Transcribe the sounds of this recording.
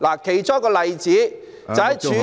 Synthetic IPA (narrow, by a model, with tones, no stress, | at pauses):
laː˨˩kʰe˨˩jt͡sɔː˥kɔː˧lɐ˨jt͡siː˨˥ | t͡sɐ˨whɐ˨jt͡ʃʰyː˨˥